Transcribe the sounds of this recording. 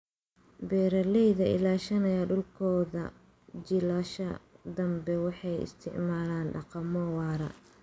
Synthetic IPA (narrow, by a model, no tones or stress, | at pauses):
bɛːɾɐlɛjðɐʔɪ̰laːʃɐnɐjɐɖʊlkʰɔːðɐ | d͡ʒɪlɐʃɐ̰d̪ɐmbɛwɑħɑjɪ̰st̪ʰɪ̰ʕmaːlaːnɖɑqɑmɔwɑːɾɐ̰